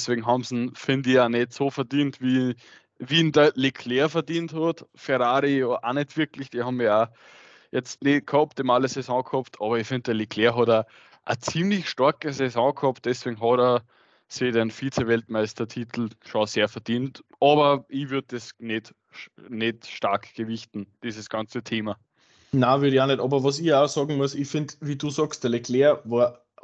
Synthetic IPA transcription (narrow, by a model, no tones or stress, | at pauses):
sveːɡŋ̩ɦɑmsn̩fɪ̃ndianetsoːfəɐdiːntviː | viːndəlikʰleːɐfəɐdiːnthɔdfɛʁaːʁiʔaned̥v̥ɪɐklɪçd̥ihɑmiɐa | jɛt͡stneːt̚kʰhɔptɪmaləsɛsɔ̃khɔptʰɑːbɐifɪ̃nd̚d̥əɐlikʰleːɐɦɔda | ʔːt͡siːmlɪçʃtɑɐkəsɛsɔ̃ːkʰhɔpt̚d̥ɛsʋ̥eːɡŋ̩ɦɔdə | siːdenfiːt͡sevɛltmæɪstɐtʰiːt̪ʰl̩ʃõseːɐfɛɐd̥iːntʔɑːbɐiʋyɐd̚desnet | netʃtaɐkʰɡ̥əvɪçtn̩d̥iːzəsɡ̥ɑ̃nt͡sətʰeːma | naːvʏɐɾɪçaːnɛtɑːbɐʋɔs̬iasɑːɡŋ̩mʊəsifɪ̃ndviːduːsɔːkst̚d̥ɛlekʰleːɐvɔːɐ